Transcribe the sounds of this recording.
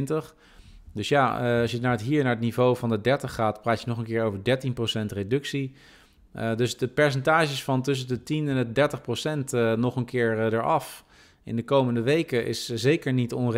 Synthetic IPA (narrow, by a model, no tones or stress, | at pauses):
ntəχ | dɵsjaɑsjənaːɹətɦiːɹnaːɹətnivowvɑndədɛɹtəχːaːtpraːtjənɔχənkɪːɹowvəɹdɛɹtinprowsɛntredɵksi | dɵsdəpɛɹs̬ɛntaːʒəsfɑntɵs̬əndətinɛnət̚dɛɹtəχprowsɛntnɔχənkɪːɹdəɹɑf | ɪ̰ndəkowməndəʋejkəʔɪ̰szejkəɹnitɔnr